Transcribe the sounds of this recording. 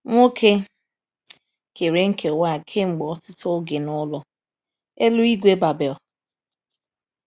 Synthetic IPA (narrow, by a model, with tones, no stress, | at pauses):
ŋʷo˦kʰe˦ | ke˨ɾe˨ŋ̩˦kʰe˨wa˦˨kʰe˦ŋ͡m̩˨ɡ͡bɔ˦tʊ˦tʊ˦ɡɪ˨nʊ˦lɔ˨ | e˦lu˦i˦ɡʷe˦ba˨bɛ˨l